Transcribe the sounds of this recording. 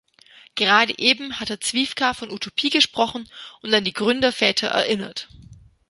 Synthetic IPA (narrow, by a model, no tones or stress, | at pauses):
ɡ̥əʁaːdəʔeːbm̩hateːɐt͡sv̥iːfkʰafɔnutʰopʰiːɡəʃpʁ̥ɔχn̩ʔʊntandiːɡʁʏndɐfɛːtʰɐʔɛ̰ɐʔɪnɐ̰t